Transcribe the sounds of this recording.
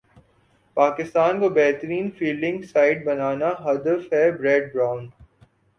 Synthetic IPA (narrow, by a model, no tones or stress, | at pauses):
paːkɪst̪aːnkobɛːɦt̪ɾiːnfiːlɪ̃ŋɡsaːɪɖ̚bɐnaːnaɦɐd̪əfɦɛbɾɛːɖ̚bɾãːʊ̃nɖ